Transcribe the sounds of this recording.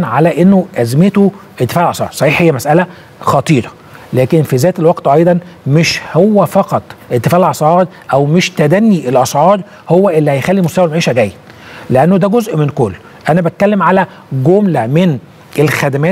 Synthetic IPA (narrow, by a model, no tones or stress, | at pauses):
nʕalæʔenːoʔæzmet̪oʔedt̪ːefæːʔelʔɑsˤʕɑ̰ːɾˤsˤɑħiːħhejːæmæsʔælæ | xɑt̪ˤiːɾˤɑ | læːkenfizæːt̪elwɑɡt̪ʔɑjd̪ˤɑnmeʃhowːæfɑqɑt̪ˤʔet̪ːefæːʕelʔɑsˤʕɑːɾˤ | ʔæwmeʃt̪æd̪ænːiʔelʔɑsʕɑːɾˤ | howːæʔelːihæjxælːimost̪æwælmʕiːʃæɡæjːæd̪leʔænːod̪æɡozʔmenkolː | ʔænæbæt̪̚kælːemʕalæ | ɡomlæmen | ʔelxæd̪æmæːt̪